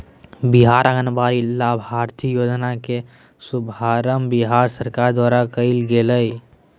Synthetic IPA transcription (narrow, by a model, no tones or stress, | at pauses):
biɦaːɾəɡənbaːɾilaːbʱaːɾt̪ʰijoːd͡ʒnake | sʊbʱaːɾəmbiɦaːɾsəɾkaːɾd̪waːɾakəɪlɡeːləi